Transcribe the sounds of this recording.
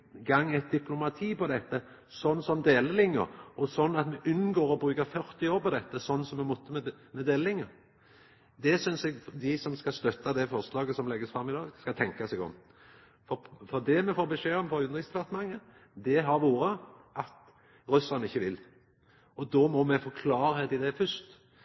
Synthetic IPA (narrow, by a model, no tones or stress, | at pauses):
ɡɑŋːɛt̪̚d̪ɪplʊmɑt̪ʰiːpɔd̪ɛt̪ːə | sɔnːsɔmd̪eːləlɪŋːə̰ɾɔsɔnːɑt̪mɛʔʉnːɡoːɾɔbɾʉːkəɾfœʁt̪ɪoːɾpɔd̪ɛt̪ːəsɔnːnsɔmːɛmʊt̪ːəmɛ | mɛd̪eːləlɪŋːəɾ | d̪ɛsʏnsɛɡd̪ɪsɔmskɑst̪œt̪ːɑd̪ɛfɔʁslɑːɡəsɔmlɛɡːəsfɾɑmːɪd̪ɑːɡskɑt̪ʰɛŋkɑsɛɡɔ̰m | fɔfɔʁd̪ɛmɛfoːɾbəʂeːɔmfɔʉnəʁɪst̪ʰʋɑʁt̪əmɑŋːə | d̪ɛɦɑɾʋuːɾəʔɑt̪ | ɾʉsɑnəɪçːəʋɪl | ɔd̪ɔmɔmɛfɔkʰlɑːɾəd̪ɪd̪ɛfʏst̪